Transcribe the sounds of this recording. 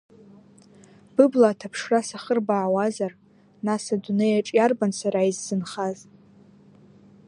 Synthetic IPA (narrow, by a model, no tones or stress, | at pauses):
b̥ɨblaːtʰapʰʂrasaχərbaːwazar | nasadunejaʈ͡ʂʼjarbansʷʰaɾaizzɨnχaz